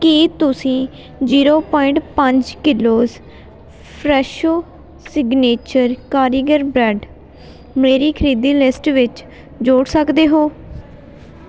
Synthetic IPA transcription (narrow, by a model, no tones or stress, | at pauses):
kiːt̪ʊsĩː | d͡ʒiːɾoːpɔːɪɳʈpəɲd͡ʒkɪloːz | pʰɾɛːʃoː | sɪɡneːt͡ʃəɾkaːɾiːɡəɾbɾɛɖ | meːɾiːkʰəɾiːd̪iːlɪsʈʋɪt͡ʃ | d͡ʒoːɽsəkd̪eːɦoː